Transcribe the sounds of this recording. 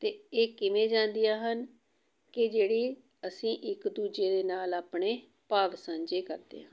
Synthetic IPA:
t̪eːeːkɪmẽːd͡ʒãːnd̪ijaːɦən | kɪd͡ʒeːɽiː | əsĩːʔɪkd̪uːd͡ʒeːd̪eːnaːlaːpɳeː | paːʋsə̃ɲd͡ʒeːkəɾd̪ḛːɦə̃ːn

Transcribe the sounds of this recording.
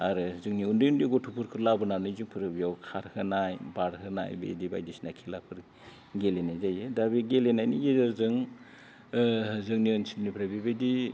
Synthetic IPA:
aɾɯzɯŋniundɯundiɡɔtʰupʰuɾkʰɯɾlabɯnanɯzɯŋpʰɯɾɯbijawkʰaɾhɯnajbaɾɦɯna̰jbḛdiba̰jdisnakʰilapʰɯɾ | ɡelenajzajɯdabiɡelenajniɡezaɾzɯŋ | zɯŋniɯnsilnipʰɾabebedi

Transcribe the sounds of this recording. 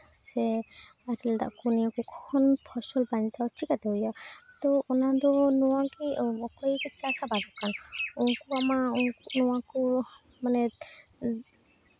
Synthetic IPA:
sɛ | atild̪a̰ʔkuniakɔkɔkʰɔnpʰɔsɔlbanit͡ʃawt͡ʃʰikat̪ɛɔjat̪ɔɔnad̪ɔnɔwakiɔkɔjkit͡ʃasabadɔkanɔŋkuamaunkunɔwaku | manɛ

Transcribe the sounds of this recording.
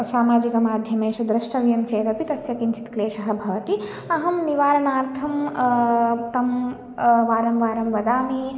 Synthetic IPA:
saːmaːd͡ʒikɐmaːd̪ʱjɐmeːʃud̪ɾɐʃʈɐʋjɐmt͡ʃeːɾɐpit̪ɐsjɐkint͡ʃʰi̥t̪kleːʃɐɦɐbʱɐt̪i | ɐɦɐmniʋaːɾɐnaːɾt̪ʰɐm | t̪ɐm | ʋaːɾɐmʋaːɾɐmʋɐd̪aːmi

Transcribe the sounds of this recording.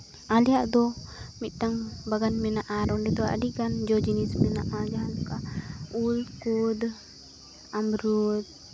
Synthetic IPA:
alijaʔd̪ɔmit̪̚ˀt̪aŋbaɡanmɛnaʔaɾɔnɖɛt̪ɔa̰ʔa̰dikand͡ʒɔd͡ʒinismɛnaʔad͡ʒaɦanɔkaulkud̪ | amɾud̪̚

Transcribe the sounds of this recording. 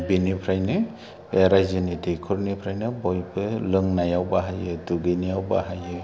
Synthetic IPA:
binipʰɾajnɯ | eɾajzɯnidekʰɔɾnipʰɾajnɯbɔjbʰɯlɯŋnajawbaɦajɯduɡɯnijawba̰ɦajɯ

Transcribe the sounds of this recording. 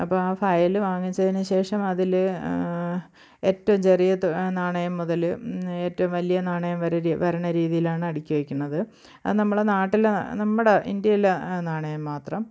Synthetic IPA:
ɐpːoːaːfɐjɐlɨʋaːŋːit͡ɕːɐðinɨɕe̞ːʂɐmɐðil | e̞ːtːɐʋumt͡ɕe̞rijɐt̪ːnaːɳɐjɐmːuðɐle̞ːtːɐʋumʋɐlijɐnaːɳɐjɐmʋɐɾɐʋɐɾɐɳɐɾiːðijilaːɳɨɐɽikʲːuʋekʲːuɳːɐðɨ | ɐ̰nɐmːuɽenaːʈːilenɐmːuɽeʔḭnd̪jɐjilenaːɳɐjɐmːaːt̪rɐm

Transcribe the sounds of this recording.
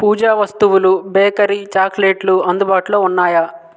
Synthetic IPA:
puːd͡ʒaːʋɐst̪uʋulubɛːkɐɾit͡ʃaːkleːʈluɐnd̪ubaːʈulo̞ːunːaːjɐ

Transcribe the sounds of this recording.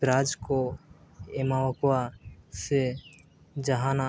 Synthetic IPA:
ɾaːd͡ʒko | emaːʋəkwase | d͡ʒəɦaːna

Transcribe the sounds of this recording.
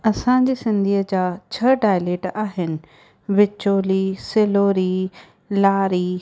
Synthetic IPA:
ɐsãd͡ʑiːsɪ̃nd̪ʱiːəd͡ʑaːt͡ɕʰɐɖaːɪleːʈaːɦɪnɪ̆ | ʋɪt͡ɕoːliːsɪloːɾi | laːɾiː

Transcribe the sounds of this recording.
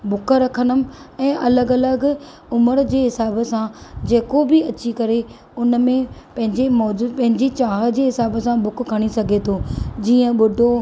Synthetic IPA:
bʊkɾɐkʰənəm̆ɛ̃ːʔɐləɡɐləɡ | ʊməɾd͡ʑeːɦɪsaːbsãd͡ʑeːkobiɐt͡ɕikɐɾe | ʊnmẽpɐ̃ɦɪ̃ɲd͡ʑemɔːd͡ʑuːpɐ̃ɦɪ̃ɲd͡ʑit͡ɕaːɦəd͡ʑeːɦɪsaːbsãbʊkkʰːɐɽ̃isɐɡʱet̪ʰod͡ʑiːə̃ɓʊɖʱo

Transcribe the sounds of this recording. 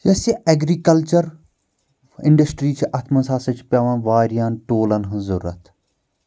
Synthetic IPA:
jɐsiʔɐɡɾikɐlt͡ʃɐɾ | ɪɳɖɐsʈɾiːt͡ʃʰiʔɐt̪ʰmɐnsaːsɐt͡ʃʰpʲɐːʋɐnʋaːɾijaːnʈoːlɐnɦɐ̃zɐɾːɐ̰t̪

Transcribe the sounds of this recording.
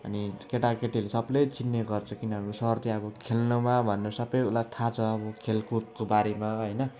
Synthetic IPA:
ʌ̰nikeʈakeʈilesʌblʌjt͡sinːeɡʌrt͡sʰʌkinʌɦʌɾusʌʌrt̪iʌbʌkʰelnumabʱʌnːesʌbʌjulat̪ʰat͡sʰʌʌbʌkʰelkurt̪̚kobaɾemaɦʌjnʌ

